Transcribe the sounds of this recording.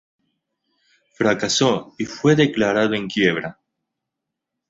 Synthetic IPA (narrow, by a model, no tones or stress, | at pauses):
fɾakasoifwe̞ðe̞klaɾaðoẽ̞ŋkje̞β̞ɾa